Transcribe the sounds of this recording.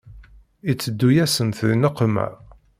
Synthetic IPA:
it͡sːəd̪ːujæsənθəðnəqːmæ̰

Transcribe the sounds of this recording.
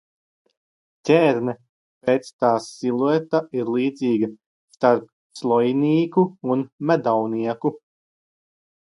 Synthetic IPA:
cʲeːɾnɛ | pet̪st̪aːsːilˠuɛt̪aiɾlˠiːd̪ziːɡɐ | st̪aɾp̚ | slˠɔjniːkuunmæd̪awniɛku

